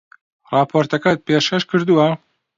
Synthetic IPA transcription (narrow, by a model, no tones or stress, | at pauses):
rɑːpʰoːɾt̪ɐkɐt̪̚peːʃkɐʃkʰɨɾd̪uwɐ